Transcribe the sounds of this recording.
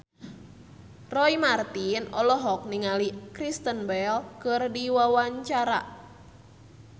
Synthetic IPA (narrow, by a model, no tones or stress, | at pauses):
rɔimart̪inɔlɔɦɔk̚niŋalikɾist̪ənbɛlkɨrdiwawaɲt͡ʃaɾa̰